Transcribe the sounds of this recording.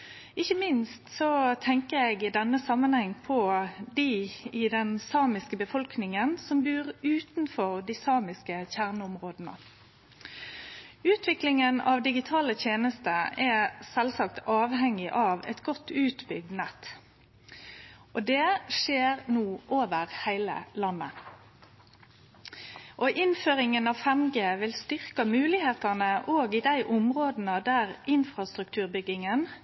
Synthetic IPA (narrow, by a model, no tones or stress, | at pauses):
ɪçːəmɪnst̪sɔt̪ʰɛŋkəɛɡɪd̪ɛnːəsɑmːənhɛŋːpʰɔd̪iɪd̪ɛnsɑːmɪskəbəfɔlknɪŋənsɔmbʉːʁʉːt̪nfɔʁd̪iːsɑːmɪskəçæʁnəɔmʁoːd̪nə̰ | ʉːt̪ʋɪklɪŋənɑ̰ːʋd̪ɪɡɪt̪ʰɑːlət̪ʰjeːnəst̪əɛsɛlsɑkt̪ɑːʋhɛŋɪʔɑːʋɛ̰t̪ɡɔt̪ːʉːt̪bʏɡ̚d̪nɛt̪ | ʔod̪eːʂeːʁnuːʔoːʋəʁhæɪlə̰lɑnːə | ʔoːʔɪnføːʁɪŋənɑːʋfɛmɡeːʋɪlst̪ʏʁkəmʉːlɪheːt̪ɑnəʔoːɡid̪æɪʔʊmʁoːd̪n̩əd̪æːʁɪnfʁɑst̪ʁʉkt̪ʰʉːʁbʏɡɪŋən